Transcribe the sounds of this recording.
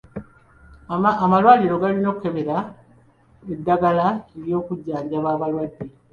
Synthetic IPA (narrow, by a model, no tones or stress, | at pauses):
malwaːliɾo̞ɡalino̞ːkue̞βeɾa | edːaɡalaeljo̞ːkuɟːaːɲɟaβaːβalwadːe